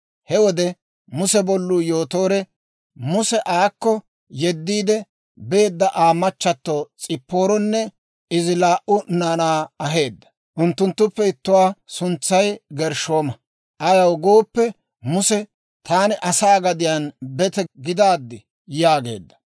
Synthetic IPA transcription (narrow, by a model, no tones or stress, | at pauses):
hɛwɔd̪ɛ | mʊsɛbɔlːuːjoːt̪o̞ːɾɛ | mʊsɛʔaːkːɔ | jɛd̪ːiːd̪ɛ | be̞ːd̪ːɐʔaːmɐt͡ʃːɐt̪ːoːt͡sʼɪpːo̞ːɾɔnːɛ | ɪzɪlaːʔʊnaːnaːɐɦe̞ːd̪ːɐ̥ | ʔʊnt̪ːʊnt̪ːʊpːɛɪt̪ːʊwaːsʊnt͡sːɐjɡɛɾʃoːmɐ | ʔɐjɐwɡoːpːɛ | mʊsɛ | t̪ʰaːnɪʔɐsaːɡɐd̪ɪjanbɛt̪ɛɡɪd̪aːd̪ːɪ | jaːɡe̞̰ːd̪ːɐ̥